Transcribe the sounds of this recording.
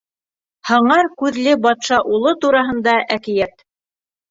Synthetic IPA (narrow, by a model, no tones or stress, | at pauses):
hɤ̆ɴɑɾkʉðlɘbɑt̪ʃɑʔulˠot̪uɾɑɦɤ̆nd̪ɑʔækɘ̆jæt̪